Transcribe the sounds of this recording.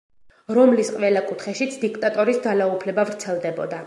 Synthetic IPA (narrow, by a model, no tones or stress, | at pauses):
ɾɔmlisqʼvɛlakʼut̪ʰχɛʃit̪sʰd̪ikʰt̪ʼat̪ʼɔɾisd̪zalaupʰlɛbavɾt̪sʰɛlˠd̪ɛbɔd̪a